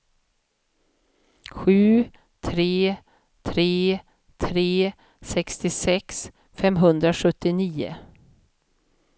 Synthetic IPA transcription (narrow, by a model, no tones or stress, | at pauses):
ɧʉ̟ː | t̪ʰɾeː | t̪ʰɾeː | t̪ʰɾeː | sɛkst̪ɪsɛks | fɛmɦɵnd̪ɾaɧɵt̪ːɪniːʊ̰